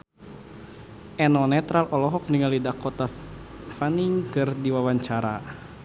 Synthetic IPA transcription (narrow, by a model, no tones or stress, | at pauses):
ʔɛnɔnɛt̪ɾalʔɔlɔɦɔk̚niŋalidakɔt̪a | faniŋkɨrdiwawaɲt͡ʃaɾa̰